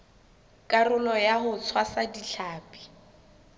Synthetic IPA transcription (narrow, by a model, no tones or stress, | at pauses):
kʼarʊlɔjaɦʊt͡sʰwasadiɬʰaːpʼi̥